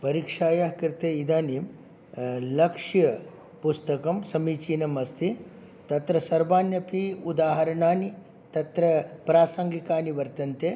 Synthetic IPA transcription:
pɐɾiːkʂaːjɐɦkiɾt̪eːid̪aːniːm | lɐkʂjɐ | pust̪ɐkɐmsɐmiːt͡ʃiːnɐmɐst̪i | t̪ɐt̪ɾɐsɐɾbaːnjɐpiud̪aːɦɐɾɐɳaːni | t̪ɐt̪ɾɐpɾaːsɐŋɡikaːniʋɐɾt̪ɐnt̪eː

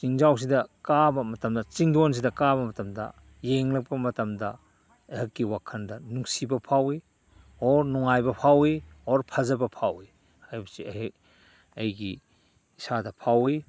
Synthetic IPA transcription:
t͡ʃiŋzaws̬idɐkabɐmɐtɐmdɐt͡ʃiŋdons̬idɐkabɐmɐtɐmdɐ̰ | jeŋlɐk̚pɐmɐtɐmdɐ | hɐkːiwakʰɐndɐnuŋsibɐpʰawi | ɔɾnuŋajbɐpʰawioɾpʰɐzɐbɐpʰawi | ajbɐsi | ɐjɡiː | sadɐpʰawi

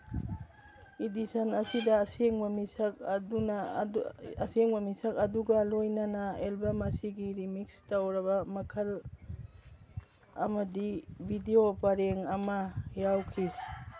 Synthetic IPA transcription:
idisɐnɐsidɐːseŋbɐmisɐk̚ɐduna | ɐseŋbɐmisɐkɐduɡɐlojnɐnɐelbɐmɐsiɡiɾimikstawɾɐβɐmɐkʰɐl | ɐ̰mɐdibideopaɾeŋɐmɐjawkʰi

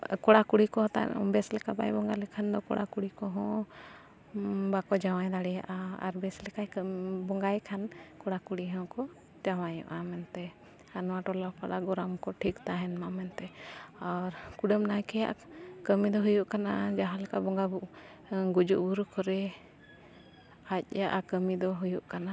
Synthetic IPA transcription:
kɔɽakuɽikɔ̃t̪a̰bɛslɛkaba̰jbɔŋɡalɛkʰand̪ɔkɔ̰ɽa̰kuɽikɔɦɔ̃ | bakɔd͡ʒawajd̪aɽɛja̰ʔaa̰ɾbɛslɛkajbɔŋɡajkʰankɔɽakuɽiɦɔ̃kɔ | t͡ʃawajɔ̰ʔamɛnt̪ɛ | anɔwaʈɔlapaɽaɡɔɾamkɔʈʰikt̪aɦɛnmamɛnt̪ɛaɾkuɖəmnajkɛja̰ʔa̰kəmid̪ɔɦujuʔkanad͡ʒaɦalɛkaʔbɔŋɡabuʔ | ɡud͡ʒuʔbuɾukɔɾɛ | ac̚ˀjaʔakəmid̪ɔɦujuʔkana

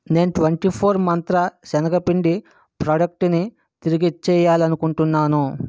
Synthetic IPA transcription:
ne̞ːnuʈʋɐɳʈipʰoːɾmɐnt̪ɾɐʃɛnɐɡɐpiɳɖi | pɾaːɖɐk̚ʈni | t̪iɾiɡit͡ʃɛːjaːlɐnukuɳʈunːaːnu

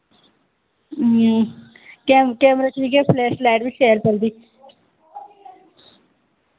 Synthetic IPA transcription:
ɦ | kɛːmkɛːməɾaːʈʰiːkɛːpʰlɛːslɛːʈʋiːʃeːəɾpəld̪iː

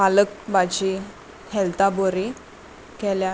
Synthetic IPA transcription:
alək̚bat͡ɕi | hɛlt̪aboɾi | kɛlja

